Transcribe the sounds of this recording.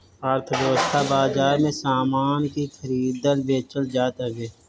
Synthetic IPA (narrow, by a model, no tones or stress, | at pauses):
əɾt̪ʰəʋjəʋəst̪ʰabaːzaːɾmẽsaːmaːnkixʰəɾiːd̪əlbeːt͡ʃəld͡ʒaːt̪eɡeː